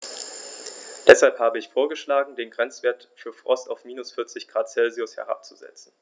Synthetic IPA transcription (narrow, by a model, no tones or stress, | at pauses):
d̥ɛshalphaːbəɪçfoːɐɡəʃlaːɡŋ̩deːnɡʁɛnt͡sv̥eːɐtfyːɐfʁ̥ɔstaʊfmiːnʊsfɪɐt͡sɪçɡ̥ʁaːtt͡sɛlziʊshɛ̰ʁ̞a̰p̚t͡suzɛ̰t͡sn̩